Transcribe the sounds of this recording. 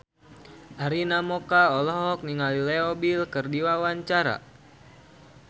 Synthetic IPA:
ʔaɾinamɔkaɔlɔɦɔk̚niŋalileɔbilkɨrdiwawaɲt͡ʃaɾa̰

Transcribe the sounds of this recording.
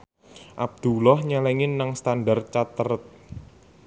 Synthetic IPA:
ʔab̚d̪̥ulɔhɲɛlɛŋɪnːaŋst̪andart͡ʃat̪əɾət̪̚

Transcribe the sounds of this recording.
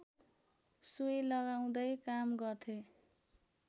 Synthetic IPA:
sujlʌɡaw̃d̪ʌjkamɡʌrt̪ʰe

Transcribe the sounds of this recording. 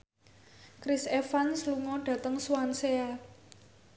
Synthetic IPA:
kɾisefansluŋɔɖ̥ä̤t̪əŋswansea

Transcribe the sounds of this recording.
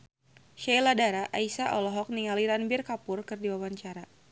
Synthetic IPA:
ʃajladaɾaʔaisaʔɔlɔɦɔk̚niŋaliɾanbirkapʊrkɨrdiwawaɲt͡ʃaɾa

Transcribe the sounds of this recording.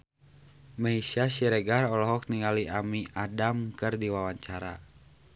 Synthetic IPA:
maisasiɾɛɡarɔlɔɦɔk̚niŋaliʔamiadamkɨrdiwawaɲt͡ʃaɾa

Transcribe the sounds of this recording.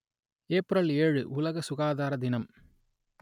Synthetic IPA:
eːpɾɐleːɻɯʔʊlɐɣɐsʊɣaːðaːɾɐd̪ɪnɐm

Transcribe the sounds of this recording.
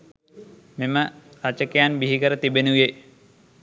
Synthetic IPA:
meməɾat͡ʃəkejanbiɦikəɾət̪ibenuʋe

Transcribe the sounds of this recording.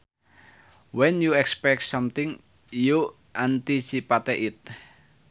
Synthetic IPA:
wɛnjuɛkspɛk̚t̪sɔmt̪ɪŋ | ju | ʔant̪isipat̪eʔɪt̪̚

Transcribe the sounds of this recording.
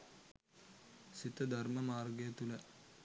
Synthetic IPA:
sit̪əd̪ʱɐrmɐmaːrɡɐjɐt̪ulə

